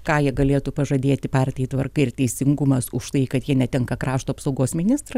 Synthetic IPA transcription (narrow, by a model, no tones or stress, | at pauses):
kɑːjiɛɡɐlʲeːt̪uːpɐʒɐd̪ʲeːt̪ʲɪpɑːrʲt̪ʲɪjɪt̪ʋɐrkɐɪɪrt̪ʲɛɪsʲɪŋɡʊmɐsʊʃt̪ɐɪkɐt̪jiɛnʲɛt̪ʲɛŋkɐkɾɑːʃt̪oːɐpsɐʊɡoːsmʲɪnʲɪst̪rɐ